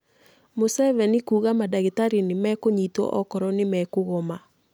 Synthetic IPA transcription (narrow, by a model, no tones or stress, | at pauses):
mosɛvɛnikuːɣamadaɣetaɾinimɛkoɲitwɔ̰ʔɔkɔɾɔnɪmɛkoɣɔma